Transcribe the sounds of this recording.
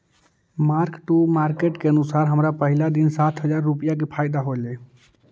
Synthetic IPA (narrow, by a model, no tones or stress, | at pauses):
maɾkʈumaɾkeʈkeənusaɾɦəmɾapəɦilad̪insat̪ʰɦəd͡ʒaɾːupijak̬epʰaɪd̪aɦole